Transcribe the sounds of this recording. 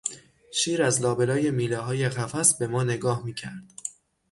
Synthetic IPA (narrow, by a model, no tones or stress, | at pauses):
ʃiːɾæzlɒːbe̞lɒːje̞miːleɦɒːjeɣæfæsbe̞mɒːne̞ɡɒːhmiːcʰæɾd̪̥